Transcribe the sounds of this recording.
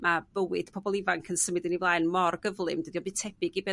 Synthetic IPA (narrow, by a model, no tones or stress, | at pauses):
mab̥əwɪd̥pʰɔbɔlˠɪvaŋkʰənsəmɨdənivlˠaːjnmɔrɡəvlˠɨmd̥ədiɔbɨtʰɛb̥ɪɡibɛ